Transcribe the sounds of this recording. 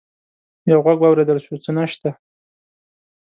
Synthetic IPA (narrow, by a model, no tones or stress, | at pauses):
jawɣaɡwɑwɾed̪əlʃut͡sənaʃt̪a